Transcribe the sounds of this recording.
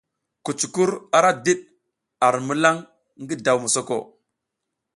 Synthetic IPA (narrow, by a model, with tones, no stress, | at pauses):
ku˨t͡ʃu̥˨ku˦ɾa˨ɾa˦di˦ɗ̚ | a˨ɾmu˦la˦ŋ | ŋɡi˦da˨wmu˨so˦ko̰˨